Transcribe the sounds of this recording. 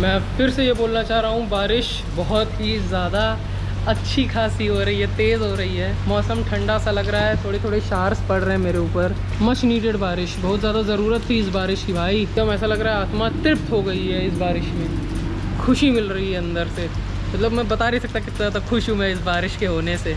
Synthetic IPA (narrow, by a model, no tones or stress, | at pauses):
mɛ̃fɪɾsejeboːlnat͡ʃaːɦɾaɦũbaːɾɪʃ | bɐɦʊt̪ɦizjaːd̪a | ɐtːʃʰikʰaːsiɦoɾɐɦiɦɛt̪eːzɦoːɾɐɦiɦɛːmɔːsəmʈʰɐ̃ɳɖasalɐɡɾɐaɦɛt̪ʰoːɽet̪ʰoːɽeʃaːɾspɐɽɾɐɦɛ̃meːɾeuːpəɾ | mɐt͡ʃʰniːʈeɖbaːɾɪʃbɐɦʊt̪zjaːd̪azɐɾuːɾət̪ːʰiɪs̬baːɾɪʃkibʱaːiɐmɛːsalɐɡɾaɦɛaːt̪mat̪ɾɪp̚t̪ɦoɡɐiɦɛɪsbaːɾɪʃmẽ | xʰʊʃimɪlɾɐɦiɦɛɐ̃nd̪əɾse | mɐt̪ləbmɛ̃bɐt̪aːɾisɐk̚t̪akɪst̪ɾat̪ɐkʰʊʃũmẽɪsbaːɾɪʃkeɦoːneseː